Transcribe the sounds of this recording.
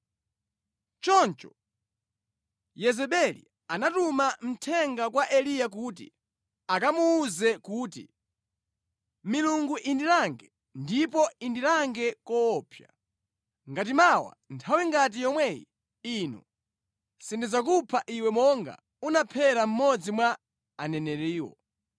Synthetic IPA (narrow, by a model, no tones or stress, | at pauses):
t͡ʃɔnt͡ʃɔ | jɛzɛɓɛlḭ | anatumam̩tʰɛŋɡakwaʔɛlijak̬ut̬ḭ | akamuːzɛkuːtḭ | miluŋɡuʔindiɾaŋɡɛ | ndipɔindiɾaŋɡɛkɔːpʰja | ŋɡat̬imawa̰ntʰawiŋɡat̬ijɔmwɛjḭ | inɔ̰ | sindizakupʰaʔiwɛmɔŋɡa̰ | unapʰɛɾam̩mɔd͡zimwaː | nɛnɛɾiːwɔ̰